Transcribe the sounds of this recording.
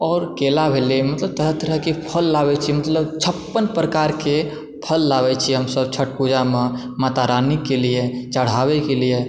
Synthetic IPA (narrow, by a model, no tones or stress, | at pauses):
ɔːɾkelabʱeliemɐt̪ləb̚t̪əɾəɦt̪əɾəɦkipʰəlːaːwɛt͡ʃʰimət̪ləbt͡ʃʰəpːənpɾəkaːɾke | pʰəlːaːwɛt͡ʃʰiɦəmsəb̚t͡ʃʰəʈ̚pud͡ʒamẽ | mat̪aɾaːnikːeliet͡ʃəɽ̤aːwekelie